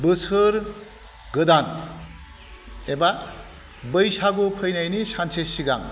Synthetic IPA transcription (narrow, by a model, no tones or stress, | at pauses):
bɯsɯɾ | ɡɯdan | eba | bɯjsaɡopʰɯjnajnisansʰesiɡa̰ŋ